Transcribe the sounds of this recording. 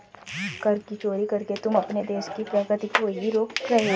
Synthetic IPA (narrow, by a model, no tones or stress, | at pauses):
kɐɾkit͡ʃoːɾikɐɾket̪ʊmɐpned̪eːʃkipɾəːɡət̪ikoːiɾoːkɾɐɦe